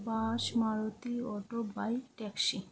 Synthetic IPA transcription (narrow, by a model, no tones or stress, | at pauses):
baʃmaɾot̪iɔʈobajʈɛksi